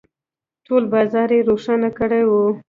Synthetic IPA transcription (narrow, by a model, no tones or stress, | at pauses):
ʈolbɑzɑɾeɾoʂanakəɽewu